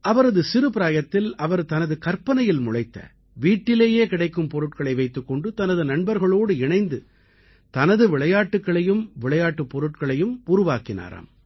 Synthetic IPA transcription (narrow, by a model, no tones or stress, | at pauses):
ʔɐʋɐɾɐðɯsɪɾɯpɪɾaːjɐt̪ːɪlɐʋɐɾt̪ɐnɐðɯkɐɾpɐnɐjɪlmʊɻɐɪt̪ːɐ̰ | ʋiːʈːɪleːjeːkɪɽɐɪkːɯmpɔɾɯʈkɐɭɐɪʋɐɪt̪ːɯkːɔɳɖɯt̪ɐnɐðɯnɐɳnbɐɾɣɐɭoːɽɯɪɳɐɪnd̪ɯ | t̪ɐnɐðɯʋɪɭɐjaːʈːɯkːɐɭɐjɯmʋɪɭɐjaːʈːɯpːɔɾɯʈkɐɭɐjɯmʊɾʊʋaːkɪna̰ːɾɐ̰m